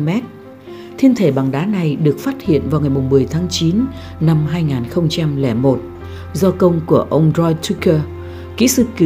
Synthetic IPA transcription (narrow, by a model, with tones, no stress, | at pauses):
mɛ˦˥t̚ | t̪ʰi˧ənt̪ʰe˧˩ɓa˨˩ŋɗaː˨˦na˨˩jɗɨ˨˩ək̚faː˦˥t̚hḭ˧˨ənvaː˨˩wŋa˨˩jmʊ˨˩ŋ͡mmɨ˨˩əjt̪ʰaː˨˦ŋt͡ɕi˨˦n | na˧mɦaː˧jŋaː˨˩nxə˧wŋ͡mt͡ɕa˧mlɛ˧˩mo˨˩t̚ | zɔ˧kə˧wŋ͡mku˧˩əʔə˧wŋ͡mzɔ˧jt̪ʰu˦˥kəː˧ | kḭ˧˥sɨ̰˨˧˩ki˨˧˨